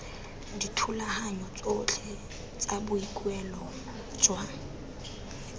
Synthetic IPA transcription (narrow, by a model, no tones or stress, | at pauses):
ditʰulahaɲɔt͡sʼot͡ɬʰɛ | t͡sʼabʊikʼwɛlɔ | t͡swa